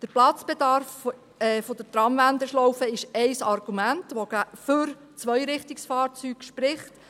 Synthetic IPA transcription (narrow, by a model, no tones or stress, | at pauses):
d̥əɾplɑt͡sb̥ɛd̪ɑɾf | ɛːfod̥̪ətɾɑmʋænd̪əʃlɔwfəɪʃɛjsɑɾɡ̥umæntʋoɡ̥æfʏɾ | t͡sʋœjɾɪχtɪksfɑːɾt͡syːɡ̥ʃpɾɪχt